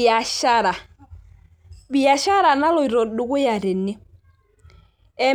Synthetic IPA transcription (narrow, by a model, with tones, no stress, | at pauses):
a˨ʃa˦ɾa˨ | bi˨ja˨ʃa˦ɾa˨na˦lɔ˨i˨ɾɔ˨ɗʊ˨kʊ˦ja˨ɾɛ˨nɪ˦ | ɛ˦